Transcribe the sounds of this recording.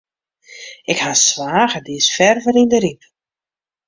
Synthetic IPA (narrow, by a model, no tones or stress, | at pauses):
ɪkhasʋaːɣədisfɛrvəɾindəɾip